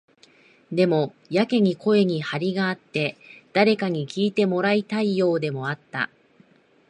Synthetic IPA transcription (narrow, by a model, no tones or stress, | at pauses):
d̪e̞mo̞ | jake̞ɲ̟iko̞e̞ɲ̟ihaɾʲiɡaːt̪ːe̞d̪̥aɾe̞kaɲ̟ikʲiːt̪e̞mo̞ɾait̪aijo̞ːd̪e̞mo̞at̪ːa̰